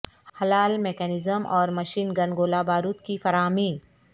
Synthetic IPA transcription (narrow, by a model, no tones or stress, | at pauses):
hɐlaːlmeːkɛːnɪzəmʔɔːɾmɐʃiːnɡɐnɡoːlabaːɾuːt̪kifɐɾaːmiːn